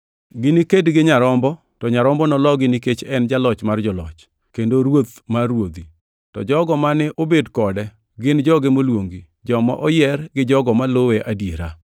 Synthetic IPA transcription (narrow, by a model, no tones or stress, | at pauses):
ɡɪnikedɡɪɲaɾɔmbɔ | tɔɲaɾɔmbɔnɔlɔɡɪniket͡ʃɛnd͡ʒalɔt͡ʃmard͡ʒɔlɔ̰t͡ʃ | kendoɾwot̪maɾwod̪i | tɔ̰d͡ʒɔɡɔmanɪʔobedkɔdɛ | ɡɪnd͡ʒɔɡɪmolwoŋɡi | d͡ʒɔma̰ʔɔjɛrɡɪd͡ʒɔɡɔmaloweʔadjeɾa